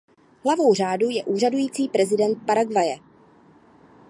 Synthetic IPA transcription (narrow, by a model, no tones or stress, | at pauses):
ɦlavo̞wr̝aːdujɛʔuːr̝adujiːt͡siːpɾɛzɪdɛnt̪̚paɾaɡvajɛ